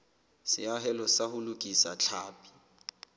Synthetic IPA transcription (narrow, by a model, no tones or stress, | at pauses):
sɪ̰aɦɛlɔsahʊlʊkʼisat͡ɬʰaːpʼi̥